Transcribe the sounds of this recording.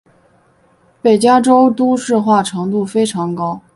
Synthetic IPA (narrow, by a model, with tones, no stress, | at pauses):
pe˨˩ɪt͡ɕja˥ʈ͡ʂo˥ʊt̪u˥ʂɻ̩˥˧xwa˥˩ʈ͡ʂʰɤ˧˥ŋt̪u˥˩fe˥ɪʈ͡ʂʰɑ˧˥ŋkɑ˥ʊ